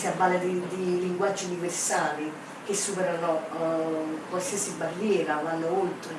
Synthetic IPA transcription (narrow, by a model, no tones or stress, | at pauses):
siabːaːled̪id̪iliŋɡwad͡ʒːiuniversaːli | k̟esːupɛɾano | kwalsiasibarːjɛːɾakwanːd̪oolt̪ɾe